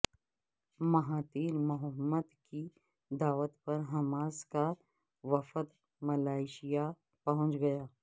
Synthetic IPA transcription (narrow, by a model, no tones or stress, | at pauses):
mɐɦaːt̪iːɾmʊɦəmːəd̪ki | d̪aːʋət̪pɐɾɦɐmaːska | ʋɐfət̪ | mɐlaːɪʃija | pɐɦʊ̃nt͡ʃɡɐjaː